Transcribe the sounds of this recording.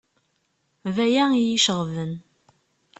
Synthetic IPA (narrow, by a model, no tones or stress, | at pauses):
væjæijiʃəʁvən